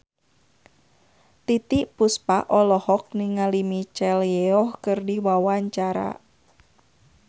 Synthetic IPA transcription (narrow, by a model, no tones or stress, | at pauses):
t̪it̪iʔpuspaʔɔlɔhɔk̚niŋalimit͡ʃɛljɛɔhkɨrdiwawaɲt͡ʃaɾa̰